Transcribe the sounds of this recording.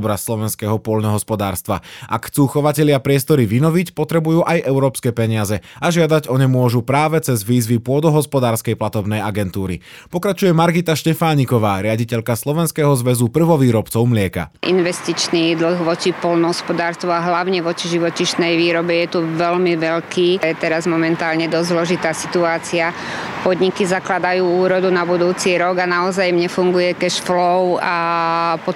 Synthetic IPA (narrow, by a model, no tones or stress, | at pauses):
bɾasːlˠɔʋɛnskɛːɦɔpɔlnɔɦɔspɔd̪aːɾst̪ʋa̰ʔakxt͡suːxɔʋacɛʎɪapɾɪɛst̪ɔɾiʋinɔʋicpɔt̪ɾɛbujuːʔajʔɛʊɾɔːpskɛːpɛɲɪazɛaʒɪad̪aɟɔɲɛmʊɔʒupɾaːʋɛt͡sɛzʋiːzʋipʊɔd̪ɔɦɔspɔd̪aːɾskɛjplat̪ɔbnɛjaɡɛnt̪uːɾḭ | pɔkɾat͡ʃujɛmaɾɡit̪aʃcɛfaːɲikɔʋaːɾɪaɟicɛʎkaslˠɔʋɛnskɛːɦɔzʋɛzupr̩ʋɔʋiːɾɔpt͡sɔʊmlɪɛka̰ʔḭnʋɛst̪it͡ʃniːd̪l̩xʋɔt͡ʃipɔlnɔɦɔspɔd̪aːɾst̪ʋuaɦlaʊɲɛʋɔt͡ʃiʒiʋɔciʃnɛjʋiːɾɔbɛjɛt̪uʋɛʎmiʋɛʎkiːjɛt̪ɛɾazmɔmɛnt̪aːlɲɛd̪ɔzzlɔʒit̪aːsi̥t̪uaːt͡sia | pɔd̪ɲikizaklad̪ajuːuːɾɔd̪unabud̪uːt͡siɾɔɡanaɔzajmɲɛfuŋɡujɛkɛʃflɔʊapɔ